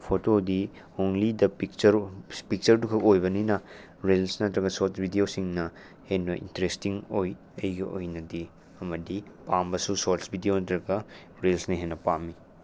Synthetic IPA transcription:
pʰotodi | onlidɐpik̚t͡ʃɐɾpik̚t͡ʃɐɾdukʰɐkojbɐninɐ | ɾelsnɐtɾɐɡɐsoɾtsbʱideosiŋnɐ | henbɐʔḭntɐɾestiŋoj | ɐjɡɐʔo̰jnɐdi | ɐmɐdipambɐsusoɾsbʱidejonɐtɾɐɡɐ | ɾelsnɐɦenːɐpami

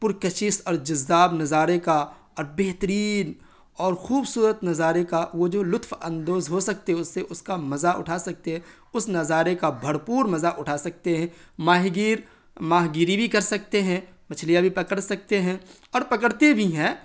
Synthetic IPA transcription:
pʊɾkɐʃɪsɔːɾd͡ʒɐzːaːbnɐzaːɾeka | ɔːɾbeːɦt̪əɾiːn | ɔːɾxuːbsuːɾət̪nɐzaːɾekaʋod͡ʒoːlʊt̪ʰfɐ̃nd̪oːzɦosɐk̚t̪eɦɛ̃ʊsːeʔʊskamɐzaʔʊ̰ʈʰaːsɐk̚t̪eɦɛ̃ | ʊsnɐzaːɾekabʱɐɽpuːɾmɐzaʔʊʈʰaːsɐk̚t̪eɦɛ̃maːɦɡiːɾ | maːɦɡiːɾibʱikɐɾsɐk̚t̪eɦɛ̃ | mɐt͡ʃʰlijabʱipɐkəɽsɐk̚t̪eɦɛ̃ | ɔːɾpɐkəɽt̪ebʱiɦɛ̃ː

